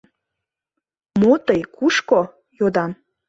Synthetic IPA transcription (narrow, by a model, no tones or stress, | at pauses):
mot̪əjkuʃko | jod̪ɑm